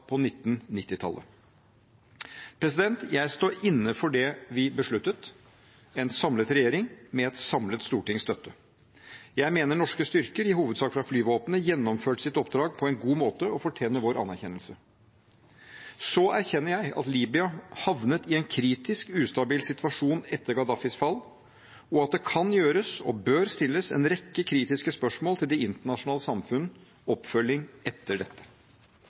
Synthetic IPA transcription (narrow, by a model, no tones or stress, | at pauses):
pʰɔnɪt̪ːn̩nɪt̪ːɪt̪ʰɑ̰lʔə̰ | pʰɾɛs̬ɪd̪ɛnt̪jæɪst̪oːɾɪnːəfɔɖɛʋɪbəʂɭʉt̪ːət̪ | ɛnsɑmlət̪ɾɛjeːɾɪŋmɛɛt̪sɑmlət̪st̪uːʈɪŋst̪œt̪ːə | jæɪmeːnəɳɔʂkəst̪ʏɾkəɾɪhuːʋəd̪sɑːkfɾɑflyːʋoːpənəjɛnːɔmføːʈsɪt̪ɔp̚d̪ɾɑːɡ̚pʰɔɛnɡuːmoːt̪əɔfɔʈʰeːnəʋoːɾɑ̰nːæɾçɛnəlsə | sɔæɾçɛnːəɾjæɪʔɑ̰t̪liːbɪɑhɑʋnət̪ɪɛnkʰɾiːt̪ɪskʉːst̪ɑbiːlsɪt̪ʰʋɑʂuːnɛt̪ːəɾɡɑd̪ɑfɪsfɑlː | ɔɑt̪̚d̪ɛkʰɑnjøːɾəsɔ̰bøːɾst̪ɪlːəsɛ̰nɾɛkːəkʰɾiːt̪ɪskəspœʂmoːlt̪ʰɪld̪ɛɪnt̪əɳɑʂʊnɑːləsɑmfʉn | ɔpfœlːɪŋʔɛt̪ʰːəɖɛt̪ːə̥